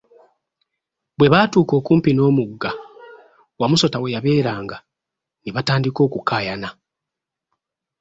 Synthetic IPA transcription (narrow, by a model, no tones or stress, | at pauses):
bwe̞βaːtuːko̞ːkuːmpino̞ːmuɡːa | wamuso̞tawe̞jaβe̞ːɾaːŋɡa | niβataːndiko̞ːkukaːjana